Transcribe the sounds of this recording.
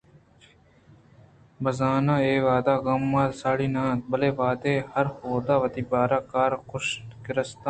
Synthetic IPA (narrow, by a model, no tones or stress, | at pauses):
bɐzaːnãːeːʋaːd̪aːɡɐmːaːlsaːɽiːnãːt̪̚bɐleːʋaːd̪eːhɐɾhoːd̪aːʋɐt̪iːbaːɾaːkaːɾkʊʃkɪɾəst̪ãː